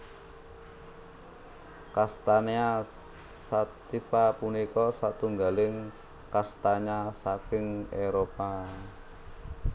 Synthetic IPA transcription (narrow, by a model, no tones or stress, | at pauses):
kast̪anea | sat̪ifapunikɔsat̪uŋɡalɪŋ | kast̪aɲasakɪŋeɾopa